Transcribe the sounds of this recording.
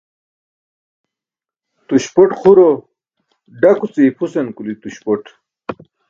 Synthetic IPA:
t̪uɕpoʈχʰuɾo | ɖakut͡siːpʰusenkulit̪uɕpoʈ

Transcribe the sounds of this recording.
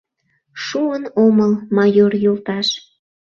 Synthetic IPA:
ʃuənoməlmɑjorjolt̪ɑʃ

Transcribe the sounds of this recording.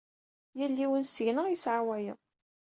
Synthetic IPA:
jəlːiwənsəʝnəʁjəsʕawæjəðˤ

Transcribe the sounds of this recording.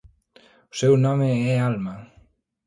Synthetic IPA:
sewnameealma

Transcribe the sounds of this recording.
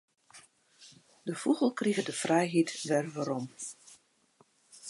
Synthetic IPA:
d̥əfuɣəlˠkriɣədəfrɛjɦitʋɛrʋaɾɔm

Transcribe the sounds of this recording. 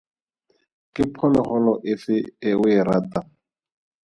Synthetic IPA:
kʼɪpʰɔlɔχɔlɔʔɪfɪɪwɪɾaːta

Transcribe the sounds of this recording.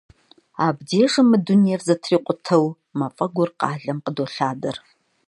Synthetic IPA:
aːbdeːʂɐmɨdunijɛrzɐtʰriːqʷʼʊtʰɐw | mɐfʼɐɡʷʊrqɑːɮɐmqədoɬaːdɐr

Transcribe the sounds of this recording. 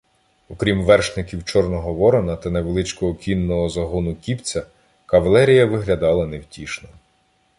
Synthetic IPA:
ɔkɾʲimʋɛrʃnɪkʲiwt͡ʃɔrnɔɦɔʋɔɾɔnɐt̪ɐneʋelˠɪt͡ʃkɔɦɔkʲinːɔɦɔzɐɦunʊkʲipt͡sʲɐ | kɐʋɐlˠɛɾʲijɐʋɪɦlʲɐd̪ɑlˠɐnewtʲiʃnɔ

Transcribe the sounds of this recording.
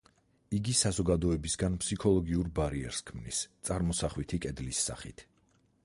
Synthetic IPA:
iɡisazɔɡad̪ɔɛbisɡanpʰsikʰɔlˠɔɡiuɾbaɾiɛ̰ɾskʰmnist̪sʼaɾmɔsaχwit̪ʰikʼɛd̪lisːa̰χit̪ʰ

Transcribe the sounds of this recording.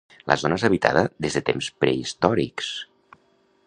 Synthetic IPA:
lʔə̰zonəezəβit̪a̰ðəðezðət̪emspɾeist̪ɔɾiks

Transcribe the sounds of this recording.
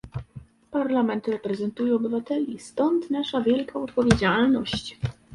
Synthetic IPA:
paɾlamɛnt̪ɾɛpɾɛzɛnt̪ujɛɔbɘvat̪ɛlʲist̪ɔnt̪naʂavʲjɛlkaɔt̪pɔvʲjed͡ʑalnɔɕt͡ɕ

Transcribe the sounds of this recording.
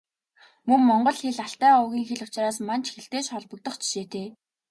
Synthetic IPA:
mɵŋːɔɴɢɞ̆ɮxeɮaɬt̪æːʊɣʲiːŋxeɮʊ̥t͡ɕraːsman̥t͡ɕxeɬt̪eːʃχɔɮpɞ̆k̚t̪ɞ̆χt͡ɕʰi̥ʃeːt̪ʰeː

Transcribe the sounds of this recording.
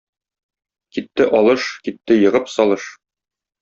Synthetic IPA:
kit̪ːɘʔɒlˠɤʃkit̪ːɘjɤ̆ʁɤpsɒlˠɤʃ

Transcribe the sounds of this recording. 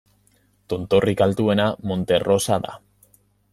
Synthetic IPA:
t̪ont̪o̞rikalt̪ue̞namo̞nt̪e̞ro̞saða̰

